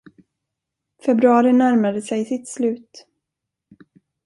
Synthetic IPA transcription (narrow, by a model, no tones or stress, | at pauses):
fɛbɾɵɑːɾɪnæɾmad̪əsɛjsɪt̪slʉ̟ːt̪